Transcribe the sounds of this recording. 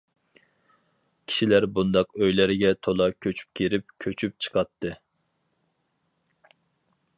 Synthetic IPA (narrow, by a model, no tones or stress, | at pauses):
kʲʰi̥ʃilæɾbund̪ɑqøjlɪɾɪɡʲɛt̪ʰolˠɑkʲʰøt͡ʃʰy̥p̚kʲʰeɾɪp̚kʲʰøt͡ʃʰyp̚t͡ʃʰɨ̥qʰɑt̪ʰːɨ